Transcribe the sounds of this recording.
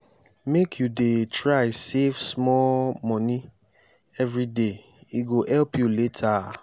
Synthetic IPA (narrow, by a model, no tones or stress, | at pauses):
mekʰjudetɹajsefsmɔlmɔ̃nĩ | ɛvɾide | iɡoʔɛlpjuletʰa